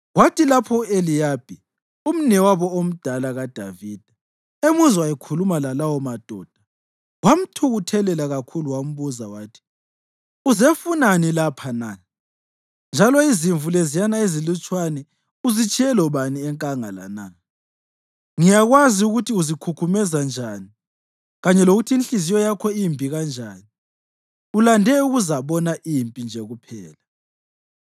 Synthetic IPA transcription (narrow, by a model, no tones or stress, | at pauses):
ɣwatʰilapʰɔelijaːb̥ʱi | um̩nɛwaβɔom̩d̥ʱalaɣad̥ʱa̰viːd̥ʱa | emuzwajikʰulumalalawɔmad̥ʱɔ̰ːd̥ʱa | wam̩tʰuɣutʰɛlɛlaɣakʰuluwam̩βuzawaːtʰi̥ | uzefunanilapʰana | nd͡ʒʱalɔiziɱvulezijanaezilut͡ʃʼwanɛ | uzit͡ʃʼʰiɛlɔβaniɛŋkʼaŋa̰la̰na | ŋijaɣwaziuɣutʰiuzikʰukʰumɛzand͡ʒʱani | ɣaɲɛloɣutʰiːnɬizijɔjakʰɔimbʱiɣand͡ʒʱaːni | ulandʱɛuɣuzaβɔnaʔimpʼind͡ʒʱɛɣupʰɛːla